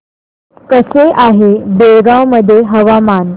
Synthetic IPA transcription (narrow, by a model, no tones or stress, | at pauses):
kəseʔaɦebeɭɡawməd̪ʱːjeɦəʋaman